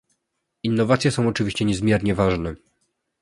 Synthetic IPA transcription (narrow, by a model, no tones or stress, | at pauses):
inːɔvat̪sʲjɛsɔ̃w̃ɔt͡ʂɘvʲiɕt͡ɕɛɲɛzmʲjɛɾɲɛvaʐnɛ